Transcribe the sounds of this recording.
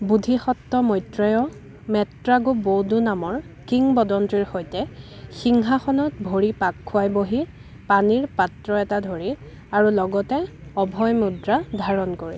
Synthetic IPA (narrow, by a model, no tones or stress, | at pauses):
budʱixɔtːɔmɔjtɹɔjɔ | mɛtɹaɡobodunamɔɹ | kiŋbɔdɔntɹiɹxojtɛxiŋɦaxɔnɔt̚bʱoɹipakʰːʊajboɦi | paniɹpatɹɔɛtadʱoɹi | aɹulɔɡɔtɛɔbʱɔjmudɹadʱaɹɔnkoɹḭ